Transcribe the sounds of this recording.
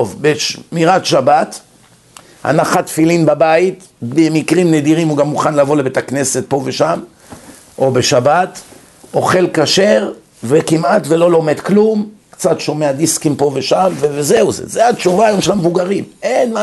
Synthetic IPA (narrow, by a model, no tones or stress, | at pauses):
ovbeʃmiʁatʃabat̪ | a̰naχat̪filinbabait | bemikʁimned̪iʁimuɡamːuχanlavo̞lebet̪akne̞se̞t̪̚po̞veʃam | ʔo̞beʃabat̪ | ʔo̞χe̞lkaʃe̞ʁ | vekimat̪velo̞lo̞me̞d̪klumkt͡satʃo̞me̞ad̪iskimpo̞veʃamvevezeuzḛzeat͡ʃuvaːjomʃelamvuɡaʁimenma